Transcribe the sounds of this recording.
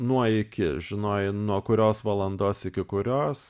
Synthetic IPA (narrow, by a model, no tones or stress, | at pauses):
nuɔɪkʲɪʒʲɪnoːjɪnuɔkʊɾʲoːsʋɐlˠɐnd̪oːsɪkʲɪkʊɾʲoːs